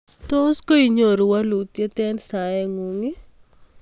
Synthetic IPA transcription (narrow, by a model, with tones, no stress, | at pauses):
t̪o˦sko˦i˨ɲo˨ɾu˨wa˦lu˨t̪je˦t̪ɛ˦nsaɛ˦ŋu˨ŋi˦